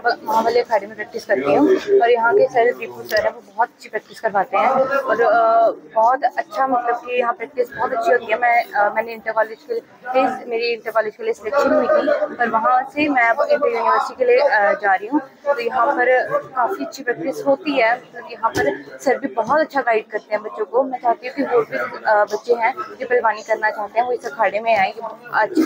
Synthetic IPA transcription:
bʋɐɦãʋaːleɐəkɛːɖmĩpɾɛːk̚ʈɪskɐɾt̪iɦũːɔːɾjɐɦãkesɐɾpiːpud͡ʒoɦɛːɾɛ̃ʋobɔːt̪ɐtːʃʰipɾɛːk̚ʈ̪ɪskɐɾʋaːt̪eɦɛ̃ːɔːɾbɔːt̪ɐtːʃʰamɐt̪ləb̚kijɐɦãːpɾɛːk̚ʈ̪ɪsbɔːt̪ɐtːʃʰiɦoːt̪iɦɛmɛ̃ːmɛ̃ːneɪ̃nt̪ekɔːleːd͡ʒke | ezmeːɾiɪ̃ɳʈ̪ekɔːleːd͡ʒkelieseəkt͡ʃʰʃʰinĩnĩk̪ipɐɾʋɐɦãsemɛ̃ːoɪ̃ʈːjuːnɪʋəɾsikeːlied͡ʒaːɾiɦũː | t̪oːjɐɦãːpəɾkaːfiətːʃʰipɾɛk̚ʈ̪ɪsɦoːt̪iɦɛːmət̪ləbjɐɦãːpəɾsəɾbʱiːbɔːt̪ətːʃʰaɡaːɪɖ̚kɐɾt̪ẽɦɛ̃ːbətːʃõkoːmɛ̃ːt͡ʃaːt̪iɦũkiʋoːbʱid͡ʒbɐtːʃeɦɛ̃ːd͡ʒepəlbaːnikɐɾnaːt͡ʃaːɦt̪eɦɛ̃ːoɪsəkʰaːɽemẽãːkebɔətːʃʰ

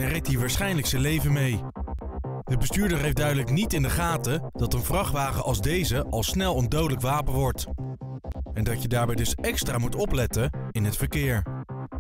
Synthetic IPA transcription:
ɛnrɛk̚tɦiːɹʋaːɹsχɛjnləksənlejvənmej | d̥əbəstyːɹdəɹɦejfdœɥdələknitɪndəχaːtəd̥ɑtənvrɑχtʋaːχəʔɑlˠzdejzəʔɑlˠsnɛlˠɔndowdələkʋaːpənʋɔɹt | ɛndɑtjədaːɹbɛjdɵsɛkstraːmutɔplɛtəɪnɦətfəɹkɪːɹ

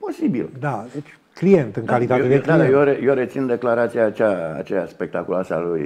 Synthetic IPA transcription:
po̞sibild̪ad̪et͡ʃʲ | klijent̪ɨŋkalit̪aed̪ed̪ajeɾejeɾet̪sind̪e̞klaɾat̪sijaːt͡ʃa̰ːt͡ʃejaspe̞k̚t̪akulasa̰luj

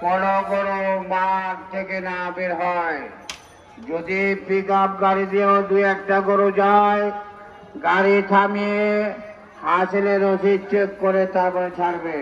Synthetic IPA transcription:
pɔloɡoɾomaaɾt̪ʰekenabeɾɦɔe | d͡ʑod̪ipikap̚ɡaɾid̪iod̪ujɛk̚ʈaɡoɾod͡ʑae | ɡaɾit̪ʰamiee | ɦaseleɾosit͡ʃekkoɾet̪abet͡ʃʰaɾbe

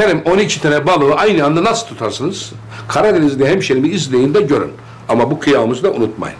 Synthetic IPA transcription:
ɛɾimonicʰit̪ʰenɛbalˠɯɯʔajnɯand̪anasɯ̥lˠt̪ʰut̪ʰaɾsɯnɯz̥ | kʰaɾad̪inizd̪ʲɛɦɛmʃenimiizlʲejind̪ɛɟø̞ɾy̰n | amabukʰɯjaːɯmɯzɯd̪aʔunut̪̚ma̰jɯn

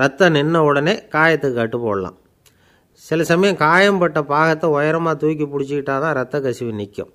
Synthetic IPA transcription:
ɾɐt̪ːɐnɪnːɐʊɽɐneːkaːjɐt̪ːɯkːɯkɐʈːɯpo̰ːɽɐlã̰ː | sɪlɐsɐmɐjɐ̃kaːjɐmpɐʈːɐpaːɣɐt̪ːɐɔjɐɾɐmaːt̪uːk̬ːipʊɽɪt͡ʃːɯkɪʈːaːt̪ãːɾɐt̪ːɐkɐsɪʋinɪkʲːʊ̰̃

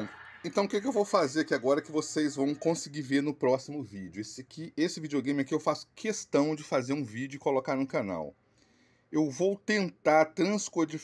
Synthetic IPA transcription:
ẽnt̪ɐ̃w̃ʊkɪk̬ɪewvowfazeɾakiaɡɔɾɐkɪvosejzvɐ̃w̃kõsɪɡiɾveɾnʊpɾɔsimʊvid͡ʒʊesɪkiesɪvid͡ʒioɡẽj̃mɪakiewfasʊ̥kʰest̪ɐ̃w̃d͡ʒɪfazeɾũvid͡ʒʊɪkolokaɾnʊ̃kana̰w | ewvowt̪ẽnt̪aɾt̪ɾɐ̃skoɾd͡ʒi

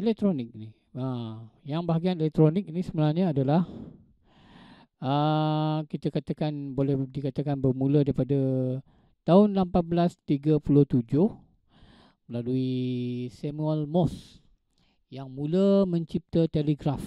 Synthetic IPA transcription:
elɛk̚t̪ɾonɪk̚ini | ajaŋbaɦaɡianelɛk̚t̪ɾonɪk̚inisəmənahɲaːdalah | ə | kit̪akat̪akanbolɛhdikat̪akanbərmuladaɾipada | t̪aʊnlampat̪̚bəlast̪iɡapulʊht̪ud͡ʒʊh | məlaluisɛmuəlmɔs | jaŋmuləmə̃ɲt͡ʃip̚t̪ət̪eleɡɾaf

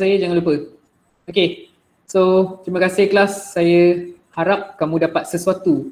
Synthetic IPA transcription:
sajəd͡ʒaŋãnlupə | oke | sot̪ɾimə̃kasɪhkəlasːajəhaɾap̚kamũdapat̪̚səsuat̪u

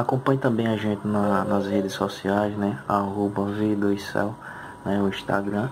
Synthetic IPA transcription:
akõpɐ̃ɲʊt̪ɐ̃mbẽj̃aʒẽt̪ɪnɐnɐzɦed̪ɪsɔsiajsnɛaɦobɐved̪oisɛ̰w | nɛʊĩʃt̪a̰ɡɾɐ̃

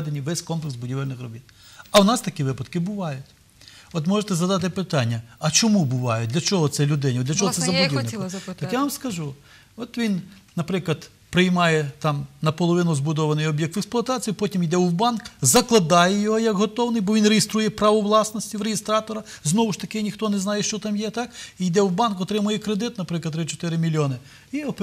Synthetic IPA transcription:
ɛd̪enʲːiʋɛsʲkɔmplˠɪksbʊdʲiʋɪlʲnɪxrɔbʲit̪̚ | ɐʊnɑst̪ɐkʲiʋɪpɐt̪kɪbʊʋɑjʊtʲ | ɔt̪mɔʒet̪ɛzɐd̪ɑt̪ɪpɪt̪ɑnʲːɐɐt͡ʃɔmubʊʋɑjʊt̚ʲdlʲɐt͡ʃɔɦɔt̪sɛlʲʊd̪ɪnʲɐd̪lʲɐt͡ʃɔɦɔt̪sɛɛzɐʊdʲinɪkt̪ɐkkjaʋɐmskɐʒu | ɔt̪ʋʲin | nɐpɾɪklˠɐd̪ | pɾɪjmɑjɛt̪ɑmnɐpɔlˠɔʋɪnʊzbʊd̪ɔʋɐnɪjɔbʲjɛk̚t̪ɛksplˠʊɐt̪ɑt͡sʲijipɔtʲimid̪ɛwbɑnkzɐklˠɐd̪ɑjɛjɔɦɔjɐkɦɔt̪ɔwnɪjbɔʋʲinrejɪst̪ɾujɛpɾɐʋɔʋlˠɑsnɔsʲtʲiwɾejɪst̪ɾɑt̪ɔɾɐznɔʋʊʃt̪ɐkɪnʲixt̪ɔnɛznɑjɛʃt͡ʃɔt̪ɑmjɛt̪ɑkijd̪ɛwbɑnkɔt̪ɾɪmʊjɛkɾed̪ɪt̪nɐpɾɪklˠɐd̪ɾɪt͡ʃɔ̥t̪ɪɾɪmʲilʲːiɔnɪ | iɔp

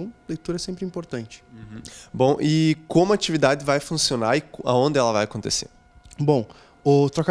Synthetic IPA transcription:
w̃lejt̪uɾɐɛsẽmpɾɪĩmpoɾt̪ɐ̃nt͡ʃɪ̥̃bõw̃ʔɪkõmʊat͡ʃivid̪ad̪ɪvajfũsionaɾɪka̰õnd̪ɪɛlɐvajakõnt̪esḛ | bõ | ʊt̪ɾɔka

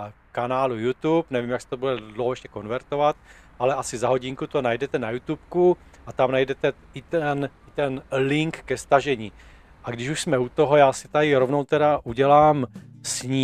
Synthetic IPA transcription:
kanaːlujut̪upnɛvimjaksɛ̥t̪obudɛdlowhɦoɛʃcɛko̞nvɛɾt̪o̞vat̪̚ʔalɛʔasɪzaɦo̞ɟɪŋkut̪onajdɛt̪ɛnajut̪up̚ku | ʔat̪amnajdɛt̪ɛ | ɪɛnɪt̪ɛnlɪŋkːɛst̪aʒɛɲiː | ʔaɡdɪʃuʃsmɛut̪o̞ɦojaːsɪt̪ajɪɾovnowt̪ɛdaʔuɟɛlaːmsɲiː

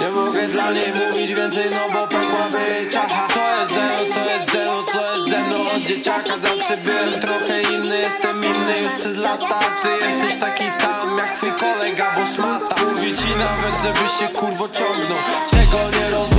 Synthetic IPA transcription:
ɲɛmɔɡɛd̪lamɲejmuvʲid͡ʑvʲjɛnt̪sɛjnɔbɔpɛkwabɪt͡ɕaxasɔjɛst̪zɛmnɔt̪sɔjɛst̪zɛmnɔ̃t̪sɔjɛst̪zɛmnɔ̃w̃ɔd̪d͡ʑet͡ɕakazafʂɛbɪwɛmt̪ɾɔxɛinːɘjɛst̪ɛminːɨjuʂʂɛzlat̪at̪ɪjɛst̪ɛɕt̪akʲisamjak̚t̪fujkɔlɛɡabɔsmat̪amuvʲit͡ɕinavɛd̪ʐɛbɘɕɕɛkuɾvɔt͡ɕɔŋɡnɔwt͡ʂɛɡɔɲɛɾɔz

